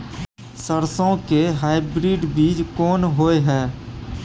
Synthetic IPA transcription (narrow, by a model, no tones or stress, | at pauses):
səɾsõkeɦaːɪbɾiːɖbiːd͡ʒkɔːnɦoːeɦɛː